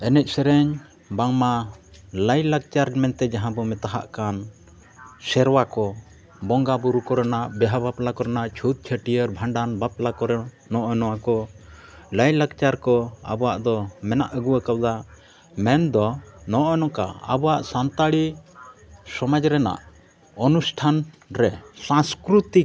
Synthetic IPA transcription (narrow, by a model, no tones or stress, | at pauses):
ɛnɛc̪̚ˀsɛɾɛɲ | baŋmaləjlak̚t͡ʃaɾmɛnt̪ɛd͡ʒaɦãbɔmɛt̪aɦa̰ʔkan | sɛɾwakɔ | bɔŋɡabuɾukɔɾɛnaʔbɛɦabaplakɔɾɛnaʔt͡ʃʰut̪̚t͡ʃʰəʈijəɾbʱaɳɖanbaplakɔɾɛ | nɔʔɔnɔakɔ | ləjləɡt͡ʃaɾkɔa̰bɔwaʔd̪ɔmɛnaʔəɡuwəkawd̪a | mɛnd̪ɔnɔʔɔnɔ̃ka̰a̰bɔwaʔsant̪aɽi | sɔmad͡ʒɾɛna̰ʔ | ɔnusʈʰan | ɾɛsãskɾut̪ik